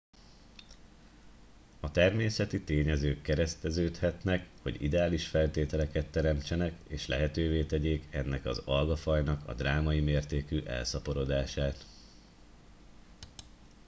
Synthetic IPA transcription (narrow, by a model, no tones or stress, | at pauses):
ɒt̪ɛrmeːsɛt̪it̪eːɲɛzøːkːɛɾɛst̪ɛzøːt̪hɛt̪nɛkho̞̰ɟḭd̪ɛaːliʃfɛlt̪eːt̪ɛlɛkɛt̪ːɛɾɛmt͡ʃɛnɛkeːʃlɛ̰ɦɛt̪øːveːt̪ɛɟeːkɛnːɛkɒ̰zɒlɡɒfɒjnɒkɒ̰d̪raːmɒjimeːrt̪eːkyʔɛ̰lsɒpo̞ɾo̞d̪aːʃaːt̪